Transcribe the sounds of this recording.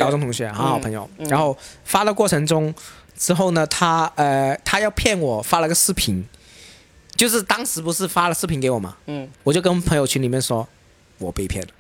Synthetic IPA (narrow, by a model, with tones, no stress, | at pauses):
kʊʈ͡ʂʊ˥ŋt̪ʰʊ˧˥ŋɕɥɛ˧˥xɑ˧˥xɑ˨˩ʊpʰɤ˧˥ŋjo˨˩ʊɻa˧˥nxo˥˩ʊfa˥la˥˧kwɔ˥˩ʈ͡ʂʰɤ˧˥ŋʈ͡ʂʊ˥ŋ | ʈ͡ʂɻ̩˥xo˥˩ʊnə˩t̪ʰa˥ə˥˧t̪ʰa˥jɑ˥˧ʊpʰjɛ˥˩nwɔ˨˩fa˥lə˨˧˥ɡə˧ʂɹ̩˥pʰi˧˥n | t͡ɕjo˥˧ʊʂ̬ɻ̩˥˩t̪ɑ˥ŋʂɻ̩˧˥pu˧˥ʂɻ̩˥˩fa˥lə˨ʂɹ̩˥pʰi˧˥nke˧˥ɪwɔ˨˩mɐ̰˧˦wɔ˨˩t͡ɕjo˥˧ʊkə˥n˩pʰɤ˧˥ŋjo˥˧ʊt͡ɕʰy˧˥nli˨˩mjɛ˥˩nʂwɔ˥ | wɔ̰˨˩pe˥˩pʰjɛ˥˩nlə˩